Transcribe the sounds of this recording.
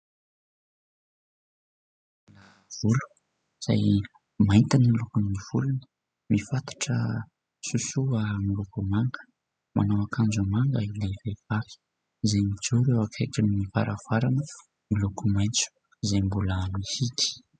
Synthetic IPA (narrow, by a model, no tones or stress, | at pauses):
la | v̥ulu̥ | z̥a̰j | mant̪anilukunːiv̥ṵlunə̥ | mifat̪ḁʈ͡ʂə | susuamilukumaŋɡə̥ | mʔa̰nowakʰand͡ʒumaŋɡailavev̥ai̥ | zajmid͡ʒuɾewakʰejʈ͡ʂinːiva̰ɾʔav̥aɾanə | milukumajnt͡su̥ | zajmbuləmihik̪i̥